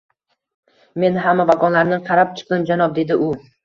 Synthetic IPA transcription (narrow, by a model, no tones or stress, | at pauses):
me̞nɦamːavaɡɒnlaɾnɪqʰɑɾap̚t͡ʃʰɨ̥q̚ɪnd͡ʒanɒp̚d̪e̞d̪ɪʔʊ